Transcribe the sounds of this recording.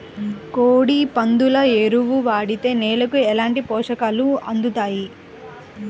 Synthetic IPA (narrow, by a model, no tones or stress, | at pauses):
koːɽipɐnd̪ulɐeɾuʋuʋaːɽit̪e̞ːnɛːlɐkuɛlaːɳʈipɔːʂɐkaːluɐ̰nd̪ut̪aːji